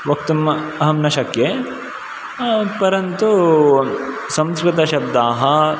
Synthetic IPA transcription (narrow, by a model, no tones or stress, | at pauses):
ʋɐkt̪umɐɦɐmnɐʃɐkje | pɐɾɐnt̪u | sɐmskɾɪt̪ɐʃɐb̚d̪aːɦɐ